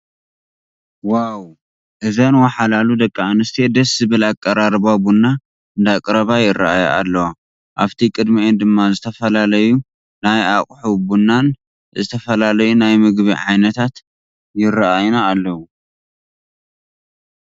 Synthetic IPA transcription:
waw | ʔɨzɐnwɐħalalud̪ɐkʼːaanɨst̪ʰed̪ɐszɨβɨlakʼːɐɾaɾbabunːa | ɨnd̪akʼɨɾɐβajɪrːa̰ʔaja̰ʔa̰lːɐwa | ʔaβt̪ʰikʼɨd̪miʔend̪ɨmːazɨt̪ʰɐfɐlalɐju | najakʼħubunːan | zɨt̪ʰɐfɐlalɐjunajmɨɡβiʕajnɐt̪ʰat̪ | jɪraʔajnaːlːɐwu

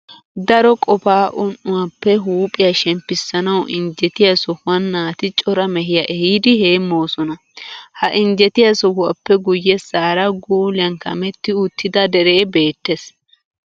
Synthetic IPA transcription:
d̪ɐɾɔkʼɔpaːʔʊnʔːʊwɐpːɛɦuːpʼɪjɐʃɛmpːɪsːɐnɐwʔɪɲd͡ʒɛt̪ɪjɐsɔhʊwɐnːaːt̪ɪt͡ʃʼɔɾɐmɛɦɪjɐʔɛhiːd̪ɪheːmːoːsɔnɐ | hɐʔɪɲd͡ʒɛt̪ɪjɐsɔhʊwɐpːɛɡʊjːɛsaːɾɐɡuːlɪɐnkɐ̰mɛt̪ːɪʊt̪ʰːɪd̪ɐd̪ɛɾeːbeːt̪ːes

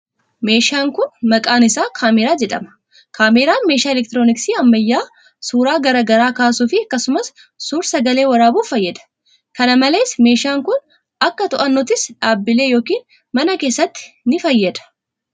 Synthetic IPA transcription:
me̞ːʃaːŋkʊnmɐkʼaːnɪsaːkʰaːmɛːɾaːd͡ʒɛᶑ̪ɐ̰mɐ̥ | kʰaːmeːɾaːnmeːʃaːɛlɛk̚t̪ɪɾoːnɪksiːɐmːɐjːaː | suːɾaːɡɐɾaːɡɐɾaːkaːsuːfɪɐkːɐsʊmɐsː | uːɾsɐɡɐle̞ːwɐɾaːbuːfɐjːɐd̪ɐ̥ | kɐnɐmɐle̞ːsme̞ːʃaːŋkʊn | ɐkːɐt̪ʊʔɐnːɔt̪ɪsᶑaːbːɪle̞ːjo̞ːkiːn | mɐnɐke̞ːsːɐt̪ːɪ̥nɪfɐjːɐd̪ɐ̥

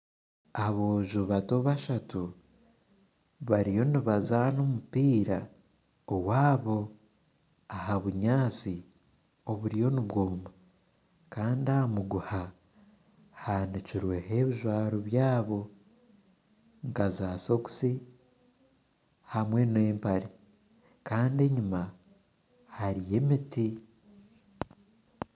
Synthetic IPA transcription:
aβo̞ːʒuβato̞βaʃatu | βaɾijo̞niβazano̞mupiːɾa | owaːβo̞ | ahaβuɲaːt͡si | o̞βuɾijo̞niβɡoːma | kaːndiaamuɡuha | haniciɾwe̞ɦe̞βiʒwaːɾoβjaːβo̞ | ŋkazaːso̞ku̥si | hamwe̞ne̞ːmpaɾe | kaːnde̞ɲuma | haɾije̞miti

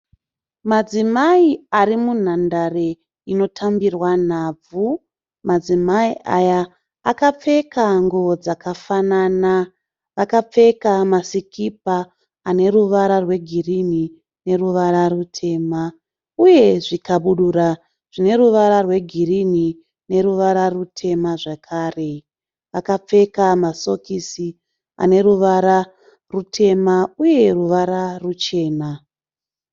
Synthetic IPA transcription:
mad͡zimaiaɾimun̤andare | ino̞tʰambirwan̤aːb͡vu | mad͡zimaiʔajaː | kap͡fe̞kaŋɡod͡zakafanana | ʋakap͡fe̞kamasikʰip̚aː | ne̞ruʋaɾarwe̞ɡʱirini | ne̞ruʋaɾarutʰe̞ːma | uje̞ʐikaɓuɗura | ʐ̥ine̞ruʋaɾarwe̞ɡʱirini | ne̞ɾuʋaɾarutʰe̞maʐakʰaːre̞ | ʋakap͡fe̞kamaso̞kisi | a̰ne̞ruʋaɾa | rutʰe̞mauje̞ruʋaɾarut͡ʃe̞ːna

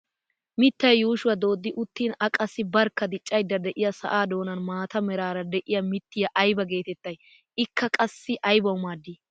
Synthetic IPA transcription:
mɪt̪ːɐjjuːʃʊwɐd̪o̞ːd̪ːɪʔʊt̪ːiːnɐkʼɐsːɪbɐɾkːɐd̪ɪt͡ʃʼːɐjd̪ːɐd̪ɛʔɪjɐsɐ̰ʔaːd̪o̞ːnɐnmaːt̪ɐmɛɾaːɾɐd̪ɛʔɪjɐmɪt̪ːɪjɐʔɐjbɐɡe̞ːt̪ɛt̪ːɐj | ɪkːɐkʼɐsːɪʔɐjbɐwʊmaːd̪ːiː

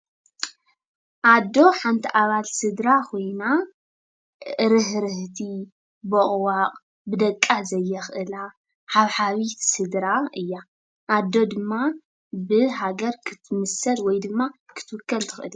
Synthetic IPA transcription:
ʔad̪ːo̞ħant̪ʰiʔaβalsɨd̪ɾakʰo̞jna | ɨɾɨɦɾɨht̪ʰi | bɨχʼwaqʼ | bɨd̪ɐkʼːazɐjːɛxʔɨla | haβħaβit̪sɨd̪ɾaɨjːa | ʔad̪ːo̞d̪ɨmːa | bɨɦaɡɐɾkʰɨ̥t̪ʰɨmɨsɐlwɔjd̪ɨmːakʰɨ̥t̪ʰɨwʊkːɐlt̪ʰɨxʔɨli

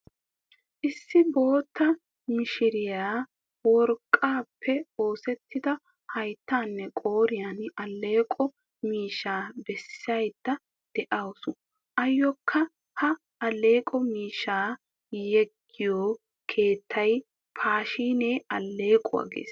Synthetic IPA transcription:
ʔɪsːɪbo̞ːt̪ːɐ | mɪʃɪɾɪjaː | wɔɾkʼːaːpʰːɛo̞ːsɛt̪ʰːɪd̪ɐ | hɐjt̪ːaːnːɛkʼo̞ːɾɪjanɐlːe̞ːkʼɔ | miːʃaːbɛsːɐjd̪ːɐ | d̪̥ɛʔɐwʊsʊ | ʔɐjːɔkʰːɐ | hɐ | ɐlːeːkʼɔmiːʃaː | jɛɡːɪjoː | kʰe̞ːt̪ʰːɐj | pʰaːʃiːneːɐlːe̞ːkʼʊwa̰ːɡḛːs

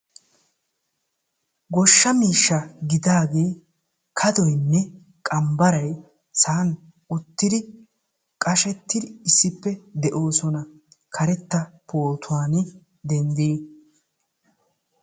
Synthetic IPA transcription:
ɡɔʃːɐmiːʃːɐɡɪd̪aːɡe̞ː | kʰɐd̪ɔjnːɛ | kʼɐmbɐɾɐj | saːn | ʊt̪ːɪd̪ɪ | kʼɐʃɛt̪ːɪd̪ɪɪsːɪpːɛd̪ɛʔo̞ːsɔnɐ | kʰɐɾɛt̪ːɐpʰoːt̪ʰʊwaːn | d̪ɛnd̪eː

